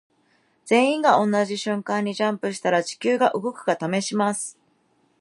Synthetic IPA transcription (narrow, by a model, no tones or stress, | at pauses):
d͡z̥ẽ̞ɰ̃ĩŋɡaõ̞nːaʑiɕɨ̃ŋkãɲ̟ːiʑãmpɯ̟ɕi̥t̪aɾad͡ʑi̥kʲɨːɡaʔɯ̟ɡo̞kɯ̟ɡat̪ame̞ɕimasɨ̥